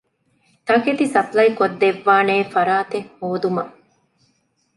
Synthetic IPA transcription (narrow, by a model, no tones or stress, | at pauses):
t̪ɐket̪isɐplɐikod̪ːeʋːaːneːfɐɾaːt̪eŋhoːd̪umɐ